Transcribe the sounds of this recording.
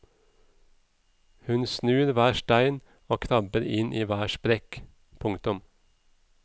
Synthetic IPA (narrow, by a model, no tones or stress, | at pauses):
hʉnsnʉːɾʋæːʃʈæɪn | oːkʰnɑbəɾɪnʔiːʋæːʃpɾɛk | pʰʊŋkt̪ʊm